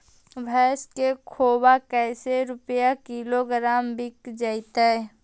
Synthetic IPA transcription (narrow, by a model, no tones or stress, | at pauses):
ʋʱɛːskekʰoːbakɛːseɾʊpjakɪloɡɾaːmbɪkd͡ʒaɪt̪aɛ